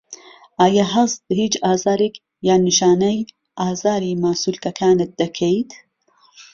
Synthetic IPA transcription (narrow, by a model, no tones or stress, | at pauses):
ʔaːjaɦɐzhiːt͡ʃaːzaːɾek | jaːnɨʃaːnɐj | ʔaːzaːɾiːmaːsuːlkɐkʰaːnɨt̪̚d̪ɐkʰejt̪ʰ